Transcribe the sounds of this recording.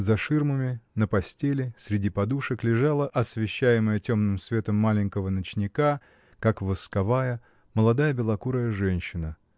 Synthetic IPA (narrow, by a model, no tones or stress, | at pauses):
zɐʂɨrməmʲɪnəpɐsʲtʲelʲɪsʲɾʲɪdʲipɐd̪uʂəklʲɪʐalˠəʔɐsvʲɪɕːæjɪməjətʲo̞mnɨmsvʲe̞t̪əmːalʲɪnʲkəvənət͡ɕnʲɪka | kakvɨskɐvajə | məlˠɐd̪ajəbʲɪlˠɐkuɾəjəʐɛnʲɕːɪnə